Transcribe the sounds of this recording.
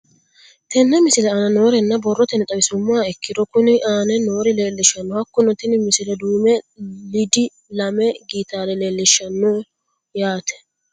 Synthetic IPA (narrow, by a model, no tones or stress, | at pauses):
t̪ɛnːɛmɪsɪlɛaːnɐnoːɾɛnːɐbɔrːɔt̪ɛnɛt̪ʼɐwɪsʊmːʊaɛkːɪd̪ɔkʊnɪʔaːnɛnoːɾɪleːlːɪʃːɐnːɔhɐkːʊnɔt̪ɪnɪmɪsɪlɛd̪uːmɛlɪd̪ɪ | lɐmɛɡiːt̪aːlɛleːlːɪʃːɐnːɔ | jaːt̪ʰɛ̥